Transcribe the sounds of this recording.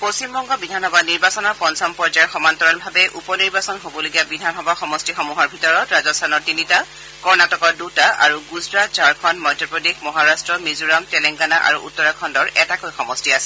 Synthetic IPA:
post͡ʃimbɔŋɡɔbidʱanxɔbaniɹbasɔnɔpɔnsɔmpɔɹd͡ʒajɛɹxɔmant̪ɔɹɔlbʱabɛʔupɔniɹbasɔnɦobɔloɡijabidʱanɦɔbaxɔmɔstixɔmuɦɔɹbʱitɔɹɔtɹazɔstʰanɔɹtinita | kɔɹnatɔkɔdutaa̰ɹuɡuzɹatt͡ʃaɹkʰɔnmɔjdʱɔpɹɔdexmɔɦaɹastɹɔmizuɹamtɛlɛŋɡanaʔa̰ɹṵʔṵtːɔɹakʰɔndɔɹɛtakojxɔmɔstiasɛ̥

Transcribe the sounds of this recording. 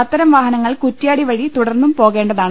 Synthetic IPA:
ɐt̪ːɐɾɐmʋaːɦɐnɐŋːɐɭkutːijaːɽiʋɐɻit̪uɽɐrnːumpo̞ːɣe̞ːɳɖɐðaː

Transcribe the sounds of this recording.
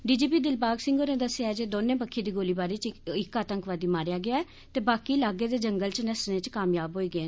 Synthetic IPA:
ɖiːd͡ʒiːpiːd̪ɪlbaːɡsɪ̃ŋɡoːnẽːd̪əsːejaːɛd͡ʒeːd̪oːnẽːpəkʰːeːd̪iːɡoːliːbaːɾiːt͡ʃɪkaːt̪əŋkʋaːd̪iːmaːɾjaːɡɪaːɛː | t̪eːbaːkiːlaːɡeːd̪eːd͡ʒəŋɡəlt͡ʃnəsnẽːt͡ʃkaːmjaːbɦoːiːɡəe

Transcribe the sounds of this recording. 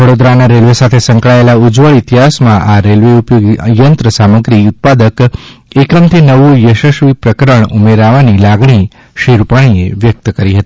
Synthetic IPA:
ʋəɽod̪ɾanaɾelʋesat̪ʰesə̃ŋkɭaelaud͡ʒʋəɭit̪iɦasmãʔaɾelʋeupjoɡjənt̪ɾəsaməɡɾiut̪̚pad̪əkekəmt̪ʰinəʋũjəʃəʃʋipɾəkəɾəɳumeɾaʋanilaɡɳi | ʃiɾupaɽ̃ieʋjək̚t̪kəɾiɦət̪i

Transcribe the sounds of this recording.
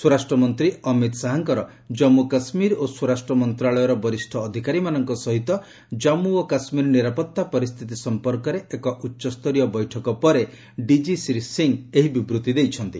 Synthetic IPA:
suɾasʈɾɔmɔnt̪ɾiɔmit̪saɦaŋkɔɾɔ | d͡ʒɔmukasmiɾosuɾasʈɾɔmɔnt̪ɾaɭɔjɔɾɔbɔɾisʈʰɔːd̪ʱikaɾimanɔŋkɔsɔɦit̪ɔ | d͡ʒɔmuokasmiɾniɾapɔt̪ːapɔɾist̪ʰit̪isɔmpɔɾkɔɾeekɔʔutːʃɔst̪ʰɔɾijɔbɔjʈʰɔkɔpɔɾe | ɖid͡ʒisɾisiŋeɦibibɾut̪id̪ejt͡ʃʰɔnt̪i

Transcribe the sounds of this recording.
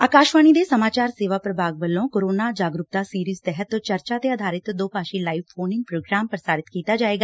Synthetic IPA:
aːkaːʃʋaːñiːd̪eːsəmaːt͡ʃaːɾseːʋaːpɾəbʱaːɡʋəlːõːkoːɾoːnaːd͡ʒaːɡɾʊk̚d̪aːsiːɾiːzt̪ɛɦət̪t͡ʃəɾt͡ʃaːt̪eːəd̪ʱaːɾɪt̪d̪oːpaːʃiːlaːiːʋpʰoːnɪ̃ŋɡ̚pɾoːɡɾaːmpəɾsaːɾɪt̪kiːt̪aːd͡ʒaːeːɡaː

